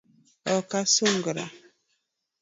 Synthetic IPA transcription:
ɔkasuŋɡəɾa̰

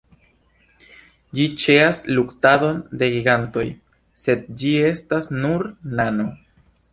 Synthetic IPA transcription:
d͡ʒit͡ʃe̞asluktado̞nde̞ɡiɡanto̞j | se̞d̚d͡ʒie̞stasnuɾnano̞

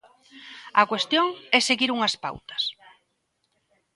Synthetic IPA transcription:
ɐkwest̪joŋɛseɣiɾuŋɐspa̰wt̪ɐ̥s

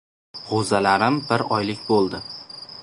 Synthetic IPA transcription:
hozalaɾɪmbɪɾɒjlɪkʲbolˠd̪ɪ

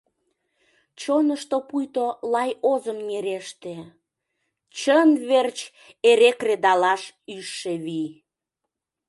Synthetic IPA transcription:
t͡ɕonəʃt̪opujt̪olɑjozəmneɾeʃt̪e | t͡ɕənβert͡ɕ | eɾekred̪ɑlɑʃyʃːeβi

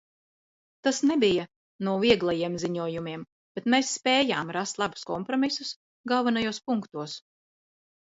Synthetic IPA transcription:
t̪asnɛbija | nuɔviɛɡlˠajiɛmziɲuɔjumiɛm | b̥ʲet̪meːsːpʲɛːjaːmɾast̪lˠabu̥skɔmpɾɔmisus | ɡalˠvanajuɔspuŋkt̪uɔs

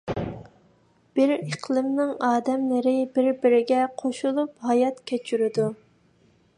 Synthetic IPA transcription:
b̥ɪɾeqʰlˠɨmnɪŋɑːd̪ɛmlɪɾɪbɪɾbɪɾɪɡʲɛqʰoʃulˠuphɑjɑt̪kʲʰet͡ʃʰyɾɪd̪u

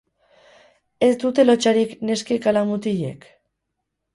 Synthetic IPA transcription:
e̞sd̪ut̪e̞lo̞t͡ʃaɾikne̞skekalamut̪iʎe̞̰k

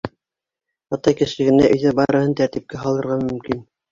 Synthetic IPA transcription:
ɑt̪ɑjkɘ̆ʃɘ̆ɡɘ̆næʔɵ̆jðæbɑɾɤ̆hɤnt̪æɾt̪ip̚kæɦɑlˠɤ̆ɾʁɑmɵ̆mkin

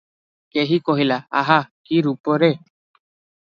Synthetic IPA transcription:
keɦikoɦilaaɦakiɾupoɾe

